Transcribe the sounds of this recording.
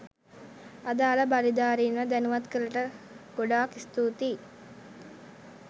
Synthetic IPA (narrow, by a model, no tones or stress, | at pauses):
ad̪aːlabaɾid̪aːɾinʋəd̪ænuʋat̪kəɾəʈə | ɡ̥oɖaːkist̪uːt̪i